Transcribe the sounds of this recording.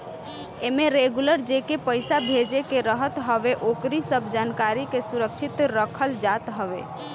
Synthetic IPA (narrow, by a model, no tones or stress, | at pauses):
emeɾeɡuləɾd͡ʒekepəjsabʱed͡ʒekeɾəɦət̪ɦəbeʔokɾisəbʱd͡ʒankaɾikesuɾək̚t͡ʃʰit̪ɾəkʰəld͡ʒat̪ɦəʋḛ